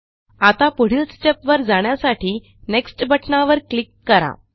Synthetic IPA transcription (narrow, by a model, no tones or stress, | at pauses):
at̪apuɽ̤ilsʈepʋəɾd͡zaɳjasaʈʰiː | neksʈbʱəʈnaʋəɾklikːəɾa̰